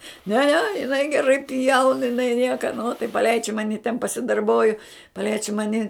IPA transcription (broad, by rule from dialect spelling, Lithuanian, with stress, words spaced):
nʲɛ nʲɛ jɪˈnɐɪ ɡʲɛˈrɐɪ pʲjɛʊn jɪˈnɐɪ ˈnʲiɛkɐ noː tɐɪ pɐˈlʲɛɪt͡ʃʲ ˈmɑːnʲɪ tʲɛn pɐsʲɪdɐrˈboːjʊ pɐˈlʲɛɪt͡ʃʲ ˈmɑːnʲɪ